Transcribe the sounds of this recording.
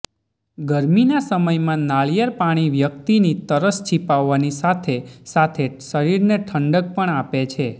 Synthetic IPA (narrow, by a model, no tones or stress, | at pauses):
ɡəɾminasəməjmãnaɭjəɾpaɽ̃iʋjəkt̪init̪əɾəst͡ʃʰipaʋːanisat̪ʰesat̪ʰesəɾiɾneʈʰəɳɖək̚pəɳapet͡ʃʰe